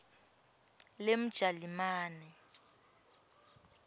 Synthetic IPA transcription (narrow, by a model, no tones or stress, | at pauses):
lem̩d̥ʒ̥ʱalimaːnɛ